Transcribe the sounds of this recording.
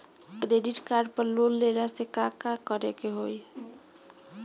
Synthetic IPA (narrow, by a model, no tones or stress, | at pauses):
kɾeɖiʈkaɾɖpəɾlolːeɾasekakakəɾekeɦoj